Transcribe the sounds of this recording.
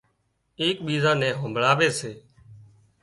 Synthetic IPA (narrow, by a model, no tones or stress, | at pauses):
eːk̚ɓiːzãːnɛ̃ːɦõmbʱɭaːʋeːseː